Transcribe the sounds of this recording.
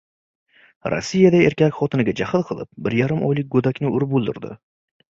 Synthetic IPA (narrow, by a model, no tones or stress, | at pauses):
ɾo̰sːijad̪aeɾkʲakʲχɒt̪ʰɪnɪɡʲad͡ʒahɨlqʰɨlˠɪp̚bɪɾjaɾɪmʔɒ̰jlɪk̚ʲɡɵd̪akʲnɪʊɾbolˠd̪ɪɾd̪ɪ̰